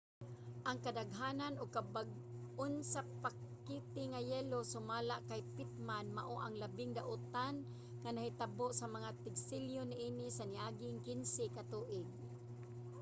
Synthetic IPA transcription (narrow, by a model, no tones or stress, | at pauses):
ʔaŋkad̪aɡɦaːnanoɡ̚kabaɡ̚ | ʊnsapakkit̪ɪŋajɛːlosʊmaːlaʔkajpɪt̪̚manmaʔoʔaŋlabɪŋd̪aʔʊt̪an | ŋanahɪt̪aboʔsamaŋat̪ɪɡsɪljonɪʔiːnɪsanɪʔaːɡɪŋkɪnsɪkat̪uːʔɪɡ̚